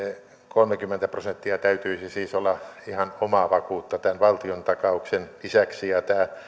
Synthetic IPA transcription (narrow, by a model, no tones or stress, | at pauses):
e | kolmekymːent̪æprosent̪ːiɑt̪æyt̪yisisiːsolːɑihɑnomɑʋɑkuːt̪ːɑt̪ænʋɑlt̪iont̪ɑkɑuksenisæksijɑt̪æː